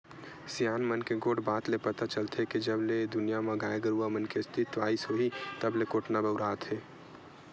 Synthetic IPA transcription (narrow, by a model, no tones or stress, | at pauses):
sijaːnmənkeɡoːɽbaːt̪lepət̪at͡ʃəlt̪ʰekid͡ʒəbled̪ʊnijamãɡaːeɡəɾuamənkest̪ʰɪt̪ʋaːisɦoːit̪əblekoːʈnabəʊɾaːt̪ʰɦeː